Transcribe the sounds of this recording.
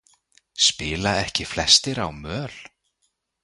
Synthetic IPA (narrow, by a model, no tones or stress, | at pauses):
spɪːlaɛhcɪflɛst̪ɪɾawmœːl̥